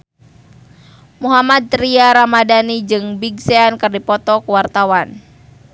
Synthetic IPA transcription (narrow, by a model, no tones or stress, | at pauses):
muɦamad̪̚ɾiaɾamadanid͡ʒɨŋbiɡseankɨrdipɔt̪ɔkuwart̪awan